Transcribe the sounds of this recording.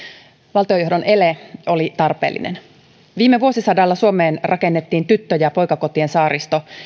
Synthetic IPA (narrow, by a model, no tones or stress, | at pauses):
ʋɑlt̪iojuhdo̞nʔe̞leo̞lit̪ɑrpe̞̰ːlːḭnʔḛn | ʋiːmːeʋuosisɑdɑlːɑsuomeːnrɑke̞nːet̪ːiːnt̪yt̪ːøjɑpo̞jkɑko̞t̪ie̞nsɑːɾist̪o̞